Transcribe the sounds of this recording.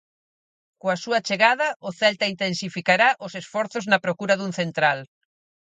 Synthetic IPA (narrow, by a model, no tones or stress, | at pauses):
koasuɐt͡ʃeɣaðɐʊθɛlt̪aint̪ensifikaɾaʔʊsesfɔɾθoznɐpɾokuɾɐðuŋθent̪ɾal